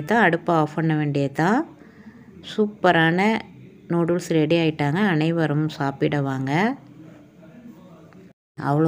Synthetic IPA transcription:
t̪ːãːɐɽɯpːaaːfɐɳːɐʋeːɳɖɪjɐt̪ːãː | suːpːɐɾaːnɐ | noːɽʊlsɾɛɽɪaːjɪʈːaːŋɡɐːnɐɪʋɐɾɐmsaːpɪɽɐʋaːŋɡɐ | ɐ̰ʋɐɭɐ

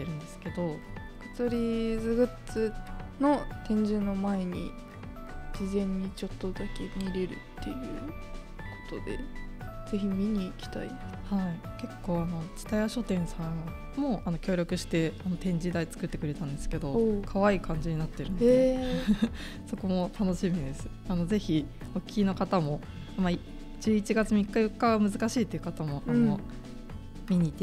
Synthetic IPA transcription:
eɾɯ̟̃nd̪esɨ̥ke̞d̪o̞ | kɯ̥t͡sɨɾʲid͡zɨɡɯ̟t͡sɨno̞t̪ẽ̞ɲ̟d͡ʑɨːno̞mae̞ɲ̟ḭ | d͡ʑizẽ̞ɲ̟ːit͡ɕo̞t̪ːo̞d̪ake̞mʲiɾe̞ɾɯ̟̰t̪ʰːe̞̰jɯ̟̰ː | kʰo̥t̪o̞d̪e̞̰z̥e̞çimʲiɲ̟iːkʲi̥t̪a̰ihai | ke̞kːo̞ːano̞t͡ɕi̥t̪ajaɕo̞t̪ẽ̞ɰ̃sãŋ̃ | mo̞ano̞kʲo̞ːɾʲo̞kɯ̟ɕi̥t̪e̞ano̞t̪ẽ̞ɲ̟d͡ʑid̪ait͡sɨ̥kɯ̟t̪ːe̞kɯɾe̞t̪ãnd̪e̞sɨ̥ke̞d̪o̞kʰaβaiːkʰãɲ̟d͡ʑiɲ̟inat̪ːe̞ɾɯ̟nde | so̞ko̞mo̞t̪ʰano̞ɕimʲid̪e̞sɨ̥ | ano̞ze̞çi | okʲi̥ino̞kat̪amo̞ | mai | d͡ʑɨːit͡ɕiɡat͡sɨmʲikːajokkːamɯzɨkaɕiːt̪ːeiɯ̟kat̪amo̞ʔano̞ | mʲiɲ̟iːt̪e

